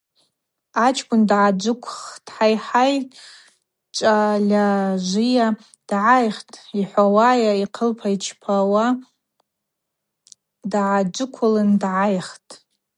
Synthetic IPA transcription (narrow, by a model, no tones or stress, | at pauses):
at͡ʃʰkʷʼʊndʕad͡ʒʷɨkʷʰχtʼħajħaj | t͡ʃʷʼalʲaʒʷija | d̥ʕajχtʼiħʷawajaiqʰəlpʰait͡ʃʰpʰawa | dʕad͡ʒʷɨkʷʰʊlɨndʕajχtʼ